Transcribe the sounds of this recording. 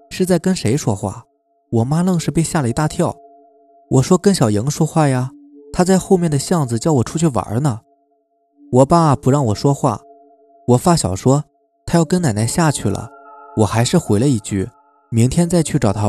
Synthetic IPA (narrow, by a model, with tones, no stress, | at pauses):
ʂɻ̩˥˧t͡sa˥˩ɪkə˥nʂe˧˥ɪʂwɔ˥xwa̰˥˩ | wɔ˨˩ma˥lɤ˥˧ŋʂɻ̩˥˧pe˥˧ɪɕja˥˩lə˩i˧˥t̪a˥˧t̪ʰjɑ˥˩ʊ | wʔɔ˨˩ʂwɔ˥kɤ˥˩ŋɕjɑ˨˩ʊjɤ˧˥ŋʂwɔ˥xwa˥˩ja˩ | t̪ʰa˥t͡sa˥˧ɪxo˥˧ʊmjɛ˥˩nd̪ə˩ɕjɑ˥˩ŋd͡zɹ̩˩t͡ɕjɑ˥˩ʊwɔ˨˩ʈ͡ʂʰu˥t͡ɕʰy˥˩wa̰˧˥nə˧ | wɔ˨˩pa˥˩˨pu˧˥ɻɑ˥˩ŋwɔ˨˩ʂwɔ˥xwa̰˥˩ | wɔ˨˩fa˥˩ɕjɑ˨˩ʊʂwɔ˥ | t̪ʰa˥jɑ˥˩ʊkə˥na˨˩ɪna˥ɪɕja˥˧t͡ɕʰy˥˩lə̰˩wɔ˨˩xa˧˥ɪʂɻ̩˥˩xwe˧˥ɪlə˧i˥˩t͡ɕy̰˥˩ | mi˧˥ŋt̪ʰjɛ˥nt͡sa˥˧ɪt͡ɕʰy˥˩ʈ͡ʂɑ˨˩t̪ʰa˥